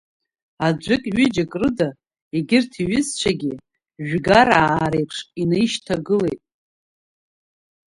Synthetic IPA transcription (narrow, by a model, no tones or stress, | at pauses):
ad͡ʒʷʊkʲʼɥɪd͡ʒakʼrɨda | iɡʲɪrtʰiɥɪzt͡ʃʷʰaɡʲɪ | ʒᶣɡaɾaːɾejpʰʂinejʃtʰaɡɨle̞jtʼ